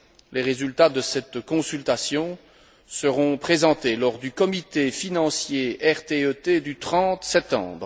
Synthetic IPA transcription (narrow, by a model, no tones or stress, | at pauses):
leʁezylt̪ad̪əsɛt̪kɔ̃sylt̪asjɔ̃ | səʁɔ̃pχezɑ̃t̪elɔʁd̪ykɔmit̪efinɑ̃sjeɛʁt̪eøt̪ed̪yt̪χɑ̃t̪sɛp̚t̪ɑ̰̃bʁ